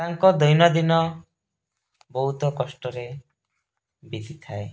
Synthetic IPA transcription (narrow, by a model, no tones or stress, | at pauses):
t̪aŋkɔd̪ɔjnɔd̪inɔ | bɔɦut̪ɔkɔsʈɔɾe | bid̪ʱit̪ʰae